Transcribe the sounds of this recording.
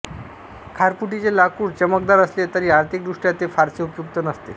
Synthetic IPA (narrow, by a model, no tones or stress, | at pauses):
kʰaɾpuʈit͡selakuːɽt͡ɕəmək̚d̪aɾəslet̪əɾiːaɾt̪ʰik̚d̪ɾuʂʈjat̪efaɾseupjukt̪ənəst̪e